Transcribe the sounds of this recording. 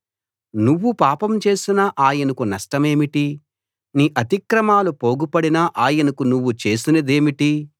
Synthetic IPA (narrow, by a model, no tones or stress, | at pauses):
nuʋːupaːpɐmt͡ʃe̞ːsinɐʔaːjɐnɐkunɐʂʈɐme̞ːmiʈi | niːʔɐt̪ikɾɐmaːlupo̞ːɡupɐɽinɐʔaːjɐnɐkunuʋːut͡ʃe̞ːsinɐd̪e̞ːmiʈi